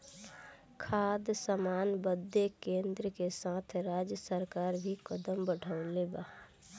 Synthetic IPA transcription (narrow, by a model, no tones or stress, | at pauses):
kʰaːd̪səmaːnbəd̪ʱːekẽːnd̪ɾəkesãːt̪ʰɾaːd͡ʒjəsəɾkaːɾbʱikəd̪əmbəɖʱəʊleːbaː